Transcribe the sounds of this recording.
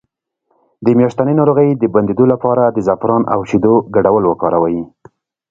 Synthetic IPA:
d̪əmjɑʃt̪anenɑɾoɣəjd̪əband̪ed̪olapɑɾad̪əzafɾɑnʔa̰wʃid̪oɡaɖawəlwəkɑɾawaji

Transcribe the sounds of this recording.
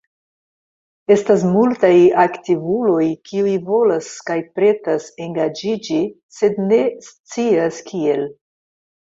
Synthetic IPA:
e̞stas̬multajaktivulo̞jkʰiujvo̞laskajpɾe̞tase̞ŋɡad͡ʒid͡ʒi | se̞dne̞st͡siaskʰie̞l

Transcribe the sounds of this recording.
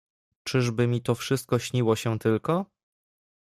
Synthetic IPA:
t͡ʂɘʐbɘmʲit̪ɔfʂɘst̪̚kɔɕɲiwɔɕɛ̃t̪ɘlkɔ

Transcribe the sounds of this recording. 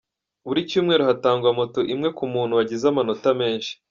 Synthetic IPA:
βuɾicuːmŋe̞ːɾoɦataːŋɡwamoto̞ʔimŋe̞kumuːn̥huwaɟizamano̞tame̞ːnʃi̥

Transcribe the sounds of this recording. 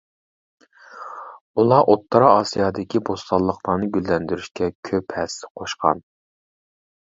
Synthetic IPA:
ulˠɑʔot̪ʰːɑɾɑɑsijɑd̪ɪkʲibost̪ɑlˠːəqlˠɑnɨɡʲylːɛnd̪yɾyʃkʲɛkʲʰøphɛsɛ̥qʰoʃqɑ̰n

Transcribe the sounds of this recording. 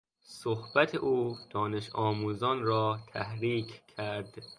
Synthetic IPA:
sohbæt̪ʰeʔuːd̪̥ɒːne̞ʃɒːmuːzɒnɾɒːt̪ʰæhɾiːkʰkʰːæɾd̪

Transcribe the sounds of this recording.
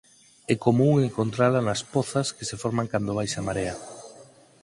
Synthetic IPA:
ɛkomuŋeŋkont̪ɾalanaspɔθɐskesefɔɾmaŋkand̪oβajsamaɾea

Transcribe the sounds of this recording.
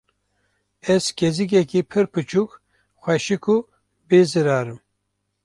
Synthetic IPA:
ɛzkezik̬ɛkipʰɨɾpɨt͡ʃʰuk | xʷɛʃikʰu | beːzɨɾaːɾɨm

